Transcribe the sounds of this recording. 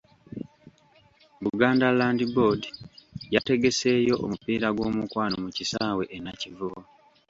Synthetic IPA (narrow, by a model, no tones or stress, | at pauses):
βuɡaːndalaːndibo̞dijate̞ɡe̞se̞ːjo̞ʔo̰mupiːɾaɡwo̞ːmukwaːnomucisaːwe̞ʔenacivu